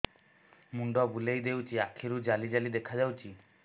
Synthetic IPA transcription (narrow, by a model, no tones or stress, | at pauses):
muɳɖɔbulejd̪ewt͡ʃiakʰiɾud͡ʒalid͡ʒalid̪ekʰad͡ʒawt͡ʃi